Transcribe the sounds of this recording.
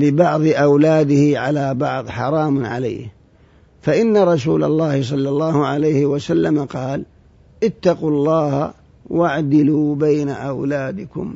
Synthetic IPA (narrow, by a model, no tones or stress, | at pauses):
lɪbɑʕðˤɨʔawlaːd̪ɪhɪʕalabɑʕðˤħɑ̰ɾˤɑːmʕa̰la̰ːh | faʔɪnːaɾˤɑs̬ṵːla̰lˤːɑːhɪs̬ˤɑlːɑlˤːɑːhʊʕalajhɪwasalːamaqɑːl | ʔɪt̪ːɑqulˤːɑːha̰ | waʕd̪ɪluːbajnaʔawlaːd̪ɪkʊ̰m